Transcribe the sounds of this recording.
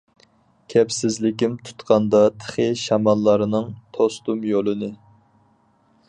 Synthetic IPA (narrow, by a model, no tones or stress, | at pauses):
kʲʰɛpsɪzlɪkʲimt̪ʰu̥t̪qɑnd̪ɑt̪ʰə̥χəʃɑmɑlˠːɑɾɨnɨŋt̪ʰost̪umjolˠɨnɨ